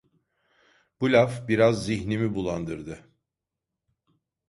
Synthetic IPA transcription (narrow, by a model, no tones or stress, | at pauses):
b̥ulʲafbiɾazːiçnimibulˠand̪ɯɾd̪ɯ